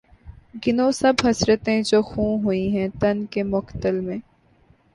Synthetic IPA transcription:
ɡɪnõːsɐbɦɐsɾət̪ɦɛ̃d͡ʒoːxũːɦʊĩɦɛ̃t̪ɐnkemʊkt̪əlmẽː

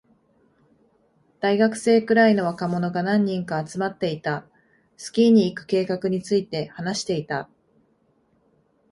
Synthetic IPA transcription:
d̪̥aiɡakɯ̟̥se̞ːkɯ̟ɾaino̞βakamo̞no̞ɡanãɲ̟ːĩŋkaːt͡sɨmat̪ːe̞it̪a | sɨ̥kʲiɲ̟iːkɯ̟̥ke̞ːkakɯ̟ɲ̟it͡sɨit̪e̞hanaɕi̥t̪e̞it̪a

